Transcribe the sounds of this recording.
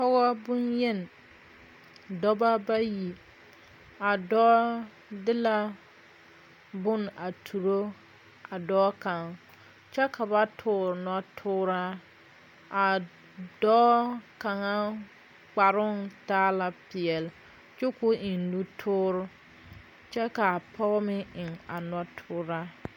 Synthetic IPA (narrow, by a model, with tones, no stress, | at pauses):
pɔ˦ɣɔ˦bʊ˦njɛ˦n˨ | dɔ˦ba˦ba˦ji˨ | a˨dɔ˦ | dɪ˦la˦ | bʊ˦na˨tʰu˨ɾo˦ | a˨dɔː˦ka˨ŋ | t͡ʃɛ˦ka˨ba˦tʰʊː˦ɾnɔ˦tʰʊː˦ɾa˦ | a˨ | dɔː˦ka˨ŋa˦ | k͡pa˨ɾʊ˦ntaː˦la˨pɪ˨ɛ˨l | t͡ʃu˦kʊ˦ʔɪ˨nnu˦tʰʊː˦ɾʊ˦ | t͡ʃɛ˦ka˨pʰɔ˦mɪ˦ɪ˨ŋa˨nɔ˦tʰʊː˦ɾaː˦